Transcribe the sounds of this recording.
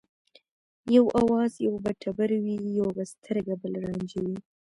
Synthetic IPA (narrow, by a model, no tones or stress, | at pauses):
jawʔawɑzjawbaʈʰabaɾwijoɡast̪ʰəɾɡabəlɾɑnd͡ʒiwi